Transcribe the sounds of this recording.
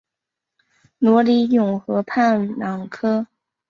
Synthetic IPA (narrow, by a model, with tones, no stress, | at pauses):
nwɔ˧˥li˧˥jʊ˨˩ŋxɤ˧˥pʰa˥˩nlɑ˨˩ŋkʰɤ˥